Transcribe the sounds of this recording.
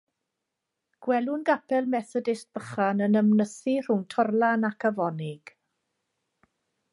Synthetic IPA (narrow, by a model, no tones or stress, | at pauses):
ɡ̥wɛlˠʊnɡapʰɛlˠmɛθɔdɪst̚b̥əχanənəmnəθir̥ʊŋtʰɔrlˠanakʰavɔnɪɡ̥